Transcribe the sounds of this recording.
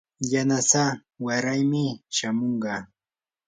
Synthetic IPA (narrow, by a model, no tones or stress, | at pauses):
janasa | waɾajmɪʃamoɴɢɑː